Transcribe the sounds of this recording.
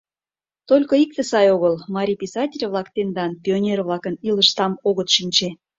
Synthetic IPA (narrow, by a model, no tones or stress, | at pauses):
t̪olʲkoik̚t̪esɑjoɣəlmɑɾʲipʲisɑtʲelʲβlˠɑkt̪end̪ɑnpʲionʲerβlɑkəniləʃt̪ɑmoɣət̪ʃinʲt͡ɕe